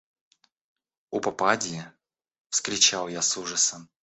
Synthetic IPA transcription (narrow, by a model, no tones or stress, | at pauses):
upɐpadʲɪjɪ | fskɾʲɪt͡ɕalˠjasuʐəsəm